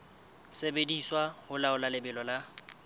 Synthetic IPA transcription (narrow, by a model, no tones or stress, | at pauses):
sebediswahʊlaʊlalɪbɛlɔla